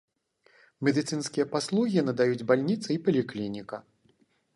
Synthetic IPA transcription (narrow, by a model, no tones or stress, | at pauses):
mʲɛd̪ɨt̪sɨnskʲijɐpaslˠuɣʲinɐd̪ajud͡zʲbalʲnʲit̪sɨipɐlʲiklʲinʲikɐ